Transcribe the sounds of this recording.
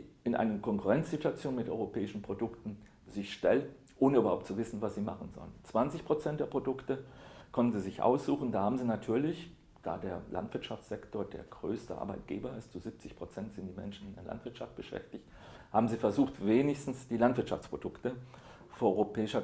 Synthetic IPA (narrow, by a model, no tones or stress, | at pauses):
ʔɪnʔa̰ɪnəkʰɔŋkuʁɛnt͡sz̥ituat͡sjoːnmɪtʔɔʏʁopʰɛːɪʃn̩pʁ̥odʊktn̩ | zɪçʃtɛln | ʔoːnəybɐhaʊp̚tt͡suvɪsn̩vasz̥iːma̰χn̩zɔ̰lənt͡sv̥ant͡sɪçpʁ̥ot͡sɛnt̚d̥eːɐpʁ̥odʊktəkʰɔntn̩ziːzɪçʔa̰ʊsz̥uːxn̩daːhaːbm̩ziːnatʰyːɐlɪç | d̥a̰ːdeːɐla̰ntv̥ɪɐtʃaft͡sz̥ɛktoːɐdḛːɐɡʁø̰ːstə̰ʔa̰ɐbaɪt̚ɡ̥eːbɐɪstt͡suzɪp̚t͡sɪçpʁ̥ot͡sɛntz̥ɪntd̥iːmɛ̰nʃn̩ɪndeːɐla̰ntv̥ɪɐtʃaft̚b̥əʃɛ̰ftɪçt | haːbm̩ziːfɛɐzuːχtveːnɪçstn̩sd̥iːlantv̥ɪɐtʃa̰ft͡spʁodʊktə | foɐɔʏʁopʰɛːɪʃɐ